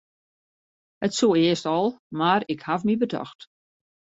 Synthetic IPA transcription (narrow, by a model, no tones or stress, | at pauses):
hətsuːɪəstɔlˠmaɾɪkhavmibədɔ̰xt